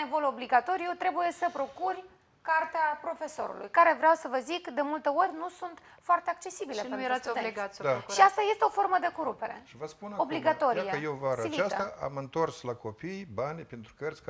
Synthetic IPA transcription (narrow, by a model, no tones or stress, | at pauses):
evo̞lo̞bliɡat̪o̞ɾʲijot̪ɾe̞buje̞səpɾo̞kurʲ | kart̪eapɾo̞fe̞so̞̰ɾṵlṵjkaɾe̞vɾʲeawsəvəzikd̪e̞mult̪e̞o̞rʲnusunt̪ | foart̪eak̚t͡ʃe̞sibilenejeɾasoeɡad̪aʃiast̪aje̞st̪eo̞fo̞rməd̪e̞ko̞ɾupe̞ɾe̞̰ʃivəspunobliɡat̪o̞ɾiejewvaɾaiiast̪aʔa̰mɨnt̪o̞rslako̞pijbanʲpent̪ɾukərsʲk